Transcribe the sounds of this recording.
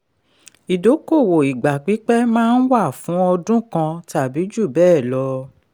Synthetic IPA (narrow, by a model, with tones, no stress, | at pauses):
i˨do˨˦ko˦˨wo˨i˨ɡ͡ba˨k͡pi˨˦k͡pɛ˦mãː˦˧˦n̩˦wa˦˨fũ˨˦ɔ˧dũ˦kã˧ta˨bi˨˦d͡ʒu˦˨bɛː˦˨lɔ˧